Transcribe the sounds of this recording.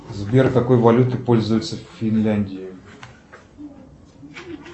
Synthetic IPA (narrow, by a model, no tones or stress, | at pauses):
zbʲerkɐko̞jvɐlʲut̪ɨpo̞lʲzʊjʊt̪səfʲɪnlʲanʲdʲɪjɪ